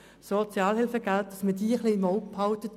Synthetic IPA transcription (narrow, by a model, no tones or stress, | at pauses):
sɔt͡sjɑːlhɪlfəɡ̥alt̚d̥ɑsmədiːəχlinmɔʊkphɑʊtət